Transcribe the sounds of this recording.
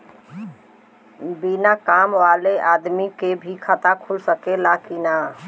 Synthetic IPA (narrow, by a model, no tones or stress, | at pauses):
binakamʋaleʔad̪mikebʱikʰət̪akʰulsəkelakina